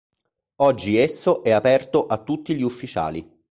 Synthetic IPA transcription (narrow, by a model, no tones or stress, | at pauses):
ɔd͡ʒːiesːoʔɛapɛrt̪oʔat̪ːut̪ːiʎiufːit͡ʃa̰ːlḭ